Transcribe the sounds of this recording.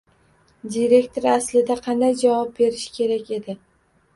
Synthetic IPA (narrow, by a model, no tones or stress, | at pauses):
d̪iɾe̞kʲt̪ʰo̞ɾaslɪd̪aqʰɑnd̪ajd͡ʒavɒp̚be̞ɾɪʃkʲʰe̞ɾakʲe̞d̪ɪ